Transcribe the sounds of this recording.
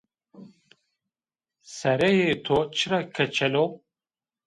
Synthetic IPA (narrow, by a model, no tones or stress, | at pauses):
sɛɾɛjet̪ʰot͡ʃʰɨɾakʰɛt͡ʃʰɛlo